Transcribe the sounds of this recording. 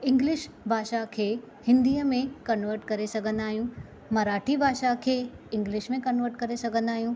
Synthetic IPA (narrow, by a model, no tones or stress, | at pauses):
ɪ̃ŋɡlɪʃ | bʱaːʃakʰeː | hɪ̃nd̪iːəmẽkɐnʋəɾʈkɐɾesɐɡʱə̃nd̪aːɦijũ | mɐɾaːʈʰibʱaːʃakʰeːɪ̃ŋɡlɪʃmẽkɐnʋəɾʈkɐɾesɐɡʱə̃n̆d̪aːɦijũː